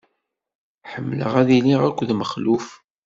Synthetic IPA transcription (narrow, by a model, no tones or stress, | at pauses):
ħəmːlə̰ʁæðiliʁækʷːðməχluf